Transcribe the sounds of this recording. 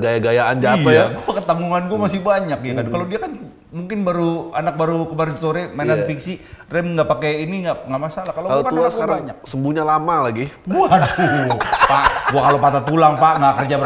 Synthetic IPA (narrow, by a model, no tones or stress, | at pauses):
ɡajaɡajaand͡ʒaijaɡuakət̪aŋɡuŋanɡuamasɪhbaɲakjakadkalodiakan | muŋkɪnbaɾuanak̚baɾukəmaɾɪnsoɾemananfiksirɛmŋɡaʔpakeiniŋɡaʔŋɡaʔmasalahkalolokaasəkaɾaɲak̚səmbuɲalamalaɡiɡuad̪upaʔɡuakalopat̪at̪ulaŋpaʔŋɡakərd͡ʒab